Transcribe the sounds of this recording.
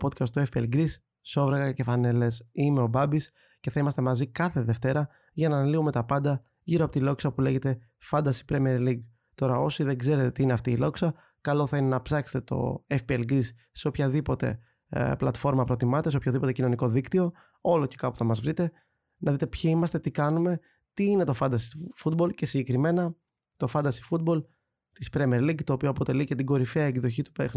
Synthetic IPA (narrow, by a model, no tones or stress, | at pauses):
po̞t̪cɐst̪oefpiḛlɡɾisː | o̞vɾeɣɐce̞fɐne̞le̞sime̞o̞bɐbis | ce̞θɐimɐst̪e̞mɐzikɐθe̞ðe̞ft̪e̞ɾɐ | ʝɐnɐnliume̞t̪ɐpɐnd̪ɐ | ʝiɾoɐpot̪ilo̞ksɐpule̞ʝe̞t̪e̞ | fɐnd̪ɐsi̥pɾemieɾliɡ | t̪o̞ɾɐo̞siðeɡze̞ɾet̪et̪iineɐft̪iːlo̞ksɐ | kɐlo̞θɐine̞nɐpsɐkse̥t̪et̪o̞̰efpielɡɾis | seo̞pçɐðipo̞t̪e̞̰ | plɐt̪fo̞ɾmɐpɾo̞t̪imɐt̪eseopçoðipot̪ecino̞niko̞ðikt̪io̞ | o̞lo̞ce̞kɐpu̥θɐmɐzvɾit̪e̞ | nɐðit̪e̞pçiimɐst̪e̞t̪ikɐnume̞ | t̪iinet̪o̞fɐnd̪ɐsifut̪̚bo̞lce̞siɟekɾime̞nɐ | t̪o̞fɐnd̪ɐsi̥fut̪̚bo̞l | t̪ispɾemieɾliɡt̪o̞ːpio̞ɐpo̞t̪e̞lice̞t̪iɡo̞ɾifeɐeɡðo̞çit̪u̥pexn